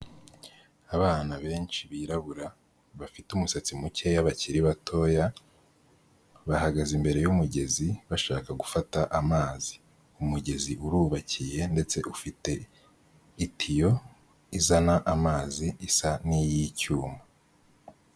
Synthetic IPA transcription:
aβaːnaβe̞ːnt͡ʃiβiːɾaβuɾa | βafitumusat͡simucejaβaciɾiβatʰo̞ːja | βahaɡazimbe̞ɾe̞jumuɟe̞ziβaʃaːkaɡufataʔamaːzi | umuɟe̞ziʔuɾuːβacije̞nde̞t͡se̞ʔufite̞ | itʰijo̞ | izanaʔamaːziːsanijicuːma

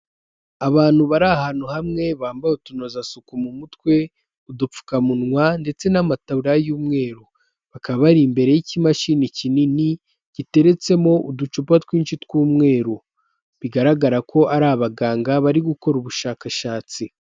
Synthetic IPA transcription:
aβaːn̥huβaɾahaːn̥huhamŋe̞βaːmbajutuno̞zasukumumutkwe̞ | udup͡fu̥kamunŋwande̞t͡se̞namatauɾajuːmŋe̞ːɾo | βakaβaβaɾimbe̞ɾe̞jicimaʃinicinini | ɟ̥ite̞ɾe̞t͡se̞mo̞ʔudut͡ʃupatwiːnʃitkuːmŋe̞ːɾo | βiɡaɾaɡaɾakʰo̞ʔaɾaβaɡaːŋɡaβaɾiɡuko̞ɾuβuʃaːkaʃaːt͡si

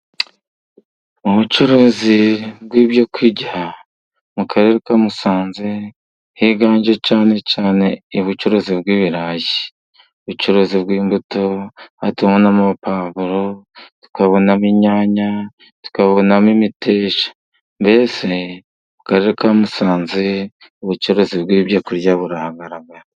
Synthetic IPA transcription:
uβut͡ʃuɾozibɡwiːβjokwiɟiha | mukʰaɾe̞ɾekamusaːnze | hiːɡaːɲɟet͡ʃaːne̞t͡ʃaːne̞ːβut͡ʃuɾoziβ̚ɡwiːβiɾaːji | uβut͡ʃuɾoziβɡwiːmbutohatumonamupaːβuɾotu̥kaβo̞namiɲaːɲa | tu̥kaβo̞namimitʰeːʃḁ | mbe̞ːse | mukaɾeɾekamusaːnzi | uβut͡ʃuɾozibɡwiːbjakuɾjaβuɾahaɡaɾaɡaɾa

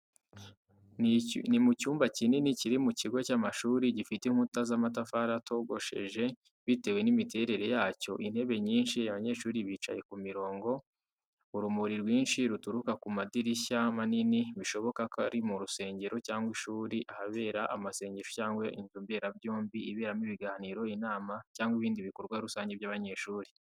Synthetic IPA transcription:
nimucuːmbacininiciɾimuciɡocaːmaʃuːɾiɟifiteŋ̥hutazamat̬afaɾatʰo̞ɡo̞ʃe̞̰ʒe̞ | βite̞we̞nimite̞ɾe̞ɾe̞jaːco̞̰ʔin̥he̞βe̞ɲiːnʃiaβaɲe̞ːɾʃuːɾiβiːt͡ʃa̰je̞kumiɾo̞ːŋɡo̞ | uɾumuɾiɾwiːnʃiɾutuɾukakumadiɾiçamaniniβiʃo̞βo̞kakaɾimuɾuse̞ːɲɟe̞ɾo̞caːŋɡwiʃuːɾiʔahaβe̞ːɾaʔamase̞ːɲɟeɾocaːŋɡweʔinzumbe̞ɾabjoːmbiiβe̞ːɾamiβiɡaːniːɾo̞inaːmacaːŋɡwiβiːndiβiko̞ɾɡwaɾusaːɲɟeβjaβaɲe̞ːʃuːɾi

